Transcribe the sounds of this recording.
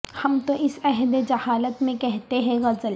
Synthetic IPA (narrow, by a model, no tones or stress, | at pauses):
hɐmt̪oʔɪsɛɦd̪ed͡ʒɐhaːlət̪mẽkɛɦt̪eɦɛ̃ɣɐzəl